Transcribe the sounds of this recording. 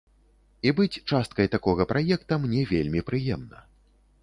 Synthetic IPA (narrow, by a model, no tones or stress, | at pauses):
ibɨt͡sʲt͡ʂast̪̚kɐjt̪akɔɣɐpɾʔajɛkt̪ɐmnʲɛvʲelʲmʲipɾɨjɛmnɐ